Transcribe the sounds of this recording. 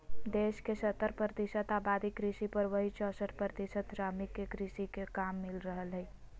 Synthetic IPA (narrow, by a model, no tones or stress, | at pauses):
d̪eːʃkesət̪ːəɾpɾət̪ɪʃət̪aːbaːd̪ikɾɪʃipəɾʋɐɦit͡ʃɔːsət̪pɾət̪ɪʃət̪ɾaːmikekɾiʃikekaːmːɪlɾəɦəlɦɛi